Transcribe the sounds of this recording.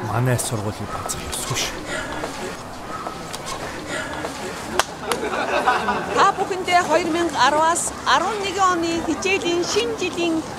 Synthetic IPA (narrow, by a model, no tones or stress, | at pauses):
ma̰næːsʊrʁʊːɮiːk̚at͡sə̆t͡ɕɔsɡuʃ | t̪ʰapuxɘ̆nt̪eːχɔjɞ̆rmiɴɢaɾwaːsaɾwə̆nːeɣɪŋɔniːxet͡ɕeːɮiːŋʃint͡ɕiɮiːŋ